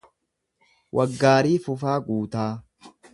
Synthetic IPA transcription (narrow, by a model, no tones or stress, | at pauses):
wʔɐɡːaːɾiːfʊfaːɡuːt̪aː